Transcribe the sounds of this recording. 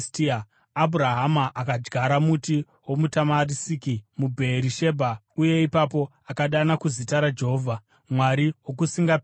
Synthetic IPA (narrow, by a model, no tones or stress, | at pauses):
tiaː | bʱuɾaɦamaʔakad͡ʒɡaɾamuti | wo̞mutamarisikimubʱeɾiʃe̞bʱa | uje̞ipapo̞ | akaɗanakuzitaɾad͡ʒe̞ɦoːvʱa | mwaɾiwokusiŋɡa